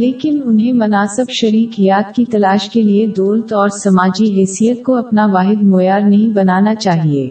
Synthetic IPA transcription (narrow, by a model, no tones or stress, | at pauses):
leːkɪnʊnɦẽmɐnaːsəbʃɐɾiːkjaːt̪kit̪ɐlaːʃkelied̪oːlt̪ɔːɾsɐmaːd͡ʒiɦɛːsijət̪̚koɐpnaʋaːɦɪd̪moːjaːɾnɐɦĩbɐnaːnat͡ʃaːɦieː